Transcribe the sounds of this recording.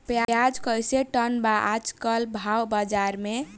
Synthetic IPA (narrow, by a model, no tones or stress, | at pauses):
pjajad͡ʒkəjseʈənbaʔad͡ʒkəlbʱawbad͡ʒaɾme